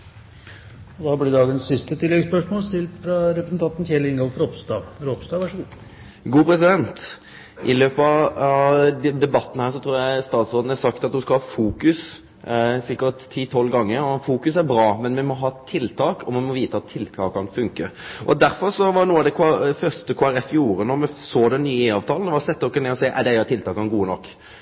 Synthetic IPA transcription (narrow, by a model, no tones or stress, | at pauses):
ɔd̪ɑblɪd̪ɑːɡənsːɪst̪ət̪ʰɪlːɛɡspœʂmoːlst̪ɪlt̪fɾɑɾɛpɾəsnt̪ʰɑnt̪n̩çɛlɪɪŋɡɔlfɾɔpst̪ɑɾɔpst̪ɑːʋæʂɡuː | ɡuːpʰɾɛsɪd̪ɛnt̪ | ʔɪløːpəɑ | d̪ɛbɑt̪ːn̩hæːʁʂɔt̪ʰɾuːɾjæɪst̪ɑːt̪sʁoːd̪n̩æsɑkt̪ɑt̪d̪ʉskɑhɑːfuːkʉs | sɪkət̪ʰːiːt̪ʰɔlːɡɑŋːəɾɔfuːkʉsæɾbɾɑːmɛnmɛmɔɦɑːt̪ʰɪlt̪ʰɑːkʰɔmɛmɔʋiːt̪əɑt̪ʰːɪlt̪ʰɑːkɑnfʉŋkəʔɔd̪æɾfɔɾsɔʋɑnuːəɑd̪ɛkʰfœɾʂtəkʰoːæɾɛfjuːɾənɔɾmɛsoːd̪ɛnnːyːiːɑːʋt̪ʰɑːlnʋɑsɛt̪ːəɔkːəneːɔsɛɪʔæd̪ɛjːɾt̪ʰːɪlt̪ɑːkɑnɡuːənɔkː